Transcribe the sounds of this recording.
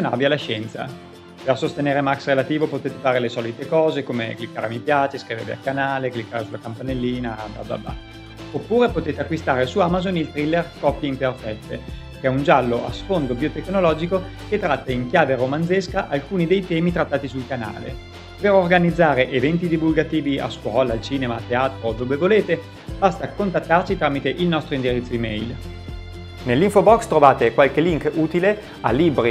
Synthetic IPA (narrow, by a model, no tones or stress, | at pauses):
ona̰vialaʃɛnt̪sa̰ | persost̪eneːɾemaksrelat̪iːvopot̪eːt̪efaːɾelesɔːlit̪ekɔːzekomḛklikːaːɾemipjaːt͡ʃeskɾivḛːvḛa̰lkanaːleklikːaːɾesulakampanelːiːnaba̰ba̰ba̰ | opːuːɾepot̪eːt̪eakːwist̪aːɾesuamazonilt̪ɾilːerkɔpːjeimperfɛt̪ːe | kɛund͡ʒalːoʔa̰sfond̪obiot̪ekːnolɔːd͡ʒiko | ket̪ːɾat̪ːaiŋkjaːveɾomanzeskaʔalkuːnid̪ejt̪ɛːmit̪ɾat̪ːaːt̪isulkana̰ːlḛ | peɾorɡanid̪zːaːɾeʔevɛnt̪id̪ivulɡat̪iːvia̰skwɔːlaːlt͡ʃiːnemat̪ːeaːt̪ɾod̪oːvevoleːt̪e | bast̪akont̪at̪ːart͡ʃit̪ɾaːmit̪eʔilnɔst̪ɾoind̪iɾit̪sːoimɛ̰jl | nelːiɱfobɔkst̪ɾovaːt̪ekwalkeliŋkuːt̪ile | a̰libɾi